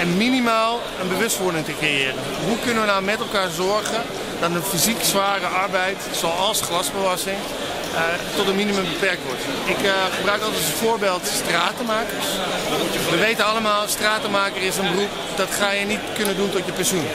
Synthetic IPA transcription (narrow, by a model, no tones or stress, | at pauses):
ɛnminimaːlˠ | ənbəʋøstʋʊɹdɪŋtəkrejɪːrən | ɦukønəʋənawmɛtɛlˠkaːɹzɔɹɣə | dɔtənfiziksʋaːrəʔɔɹbɛjt | soɔlˠsxlasbəʋɔsɪŋ | tɔtənminiməmbəpɛrk̚tʋɔɹt | ɪkχəbrœɥkɔlˠtɛtənfoːɹbeːlˠtstraːtəmaːkərs | ʋəʋejtənɑləmaːlˠstraːtəmaːkərɪsənbərup | dɔtχaːjənitkønənduntɔtjəpɛnsjun